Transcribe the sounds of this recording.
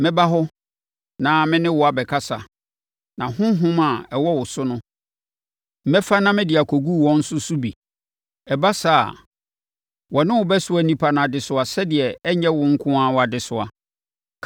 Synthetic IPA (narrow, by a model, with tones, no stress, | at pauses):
mɪ̃˦ba˦ɦɔ˦ | nã˨mɪ̃˦nɪ̃˦wɔ˨a˨bɛ˨kʰa˦sa˨ | nã˨hʊ̃˦ɦʊ̃˦ma˨ɛ˨wɔ˦wʊ˨sʊ˦nʊ̃˦ | m̩˨mɛ˦fa˦nã˦mɪ̃˦dɪ˨a˨kʰo˨ɡu˦˨wɔ̃˦n̩˦sʊ˦sʊ˦bi˨ | ɛ˨ba˦sa̰ː˨ | wɔ˨nɪ̃˦wʊ˨bɛ˦sʊ˦æ˨˦nĩ˦pʰa˦˨nʊ̃˨a˨dɪ˨sʊ˨a˨sɛ˦dɪ˨ɛ˨ɛ˦ɲɛ̃˦wʊ̃˦ŋ̩˦kʰʊ̃˦a˦wɔ˨a˨dɪ˨sʊ˨a˨